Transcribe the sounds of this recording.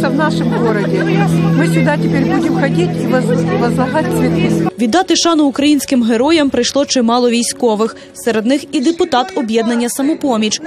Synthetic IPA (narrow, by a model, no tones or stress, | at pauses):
ɐʋnaʂɨmɡɔɾɐdʲɪmɨsʲʊd̪atʲɪpʲeɾʲbudʲɪmxɐdʲitʲiʋɐʋɐzlˠɐɦatʲsʲʋʲit̪ʲiʋʲid̪ːɑt̪ɪʃɑnʊːkɾɐjinʲsʲkɪmɦeɾɔjɐmpɾɪjʃlˠɔt͡ʃɪmɑlˠɔʋʲijsʲkɔʋɪx | seɾed̪nɪxid̪epʊt̪ɑt̪ɔbjɛd̪nɐnʲːɐsɐmɔpɔmʲit͡ʃ